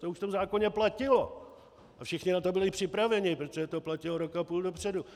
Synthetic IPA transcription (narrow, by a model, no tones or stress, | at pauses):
t̪ouʃft̪omzaːko̞ɲɛplacɪlo̞ | ʔafʃɪxɲɪnat̪o̞bɪlɪpr̥ɪpɾavɛɲɪpɾot̪oʒɛt̪o̞placɪloɾo̞kapuːldo̞pr̝̥ɛdu